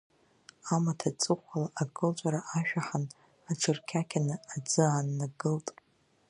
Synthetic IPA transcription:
amatʰat͡sʼɨχʷalaʔːɡɨlt͡ʃʷʼaɾaʔaʃᶣaħan | aʈ͡ʂʰɨrkʲʰakʲʰanɨad͡zɨanːaɡɨltʼ

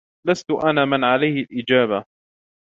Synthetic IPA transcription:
last̪ʊʔanaːmɪnʕalajhɪlʔɪd͡ʒaːba

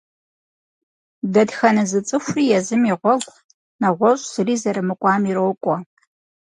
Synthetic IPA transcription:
dɐdxɐnɨzɨt͡sʼɨxʷriːjɛzɨmiʁʷɔɡʷ | nɐʁʷɔɕʼsɨriːzɐɾɨmɨkʷʼɑːmiɾoːkʷʼɔ

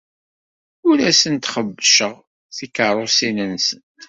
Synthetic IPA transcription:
ʊɾæsənt̪χəbːʃəʁ | θikəɾˤʊsinənsən

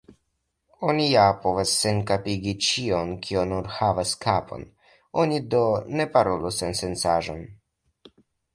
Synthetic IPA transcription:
onijapovasːenkapiɡit͡ʃionkʰionuɾhavaskapʰo̞̰n | onid̪one̞paɾolusensent͡saʒon

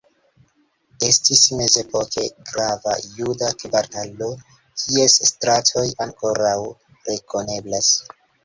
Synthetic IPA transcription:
e̞stisme̞ze̞po̞ke̞ɡɾava̰judakibaɾtalo̞ | kʰie̞sːtɾatʰo̞jaŋko̞ɾaw | ɾe̞ko̞ne̞blas

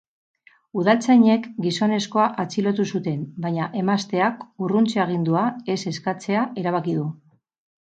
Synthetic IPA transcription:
uðalt͡sajɲe̞kɡiso̞ne̞sko̞aʔat͡silo̞t̪usut̪e̞mbajɲaʔe̞mast̪e̞akurunt͡seaɣ̞ind̪uae̞se̞skat͡se̞ae̞ɾaβ̞akið̞u

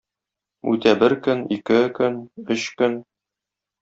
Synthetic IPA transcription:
ʉ̰t̪æbɘɾkɵnikɘkɵnɵɕkɵn

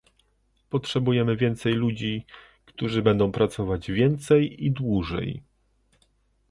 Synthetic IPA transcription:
pɔtʂɛbujɛmɘvʲjɛnt̪sɛjlud͡ʑi | kt̪uʐɘbɛnd̪ɔ̃w̃pɾat̪sɔvad͡ʑvʲjɛnt̪sɛjid̪wuʐɛ̰j

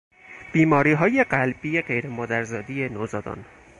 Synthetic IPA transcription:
b̥iːmɒːɾiːɦɒːje̞ɢælbijeɢejɾemɒːd̪æɾzɒːd̪ije̞noːzɒːd̪ɒ̰ːn

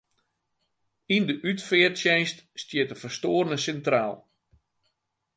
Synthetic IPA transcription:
indəʔytfɪərsjɛjststjɪətəfərstoːrnəsɛntraːlˠ

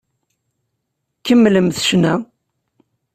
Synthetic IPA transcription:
kːəmːləmθʃnæ

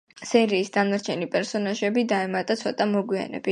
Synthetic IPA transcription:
sɛɾiːsd̪anaɾt͡ʃʰɛnipʼɛɾsɔnaʒɛbid̪aɛmat̪ʼat̪sʰɔt̪ʼamɔɡwia̰nɛ̰bi

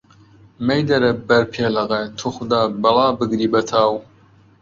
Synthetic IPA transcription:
mejd̪ɐɾɐbɐɾpʰeːlɐɣet̪ʰuxʊd̪aːbɨlɑːbɨɡɾiːbɐt̪ʰaːw

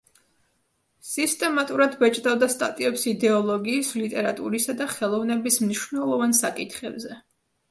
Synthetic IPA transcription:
sist̪ʼɛmat̪ʼuɾad̪vɛt͡ʃʼd̪avd̪ast̪ʼa̰t̪ʼiɛpsid̪ɛɔlˠɔɡiːslit̪ʼɛɾat̪ʼṵɾisad̪aχɛlˠɔvnɛbismniʃvnɛlˠɔvansakʼit̪ʰχɛbzɛ

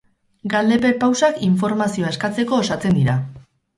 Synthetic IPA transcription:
ɡald̪e̞pe̞pawsakiɱfo̞ɾmasio̞aeskat͡se̞ko̞ːsat͡se̞nd̪iɾa

